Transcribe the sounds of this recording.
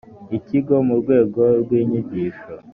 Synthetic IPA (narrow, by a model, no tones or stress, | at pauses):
iciɡo̞muɾɡwe̞ːɡo̞ɾɡwiːɲiɟiːʃo